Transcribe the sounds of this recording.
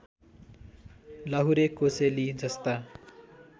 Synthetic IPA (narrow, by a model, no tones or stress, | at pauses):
lʌɦuɾekoselid͡zʌst̪a